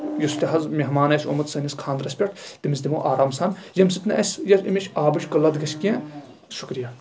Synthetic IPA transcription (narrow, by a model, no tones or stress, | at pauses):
just̪iɦɐzmʲeɦmaːnɐsʲomɐt̪sɐnʲiskʰãːnd̪ɾɐsʲpʲɐʈʰt̪imisd̪imoːʔaːɾaːmsaːnjɐmsit̪nɐʔɐsʲjɐlimʲeʃʲaːbɨʃʲkɐlɐd̪ɡɐʃkʲẽ | ʃukɾija